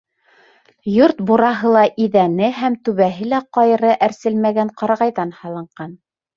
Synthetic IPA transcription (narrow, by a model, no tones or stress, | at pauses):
joɾt̪buɾɑɦɤlˠɑʔiðænɘɦæmt̪ʉβæɦɘlæqɑjɾɤʔæɾsɘlmæɡæɴqɑɾɑʁɑjðɑnhɑlˠɤ̆ɴɢɑn